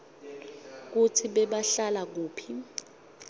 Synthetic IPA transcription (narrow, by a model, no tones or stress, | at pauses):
k̬utʰiɓɛɓaɬalak̬uːpʰi